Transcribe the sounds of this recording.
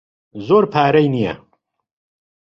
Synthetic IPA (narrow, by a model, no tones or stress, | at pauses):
zoːɾpʰaːɾɐjnijɐ̰